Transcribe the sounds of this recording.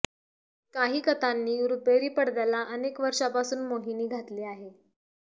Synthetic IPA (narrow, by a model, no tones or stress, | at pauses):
kaɦiːkət̪anːiːɾupeɾiːpəɽd̪alaʔənekʋəɾʂapasuːnmoɦiniːɡʱat̪leːaɦe